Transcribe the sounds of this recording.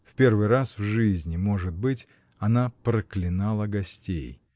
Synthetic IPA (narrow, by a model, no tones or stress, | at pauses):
fpʲe̞rvɨjɾasvʐɨzʲnʲɪmo̞ʐɨt̪̚bɨtʲ | ɐnapɾəklʲɪnalˠəɡɐsʲtʲḛj